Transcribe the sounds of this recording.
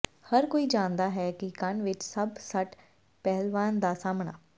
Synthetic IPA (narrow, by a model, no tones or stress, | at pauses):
həɾkoːiːd͡ʒãːnd̪aːɦɛːkɪkənʋɪt͡ʃsəbsəʈ | pɛɦlʋaːnd̪aːsaːmɳa̰ː